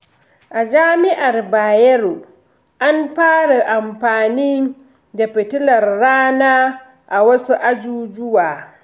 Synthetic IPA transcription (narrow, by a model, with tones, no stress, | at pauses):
ʔa˨d͡ʒaː˦mɪ˦ʔa˨rbaː˨jɛ˦ɾu˨ | ʔa˦mɸaː˦ɽa˨ʔa˨mɸaː˨niː˦ | da˨ɸɪ˨tʊ˦lɐ˨rːaː˦naː˦ | ʔa˨wɐ˦su˦ʔa˦d͡ʒuː˦d͡ʒʊ˦waː˨